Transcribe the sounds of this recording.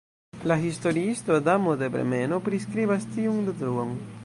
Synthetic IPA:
laɦist̪o̞ɾiist̪oad̪amod̪ebɾḛme̞nopɾiskɾibast̪iuŋd̪ed̪ɾuon

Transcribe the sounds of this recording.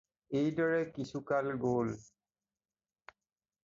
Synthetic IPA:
ejdɔɹɛkisʰukalɡol

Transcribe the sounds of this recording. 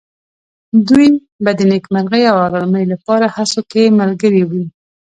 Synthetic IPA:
d̪uj | bad̪ənekmaɾɣəjawɑlɑɾməjlapɑɾahasokeməlɡəɾewi

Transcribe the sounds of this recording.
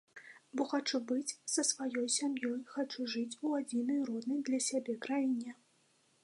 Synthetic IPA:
bɔxat͡ʂubɨt͡sʲsɐsvajɔjsʲamjɔjxat͡ʂuʐɨt͡sʲuad͡zʲinɐjrɔd̪nɐjd̪lʲɐsʲabʲɛkɾajinʲɛ

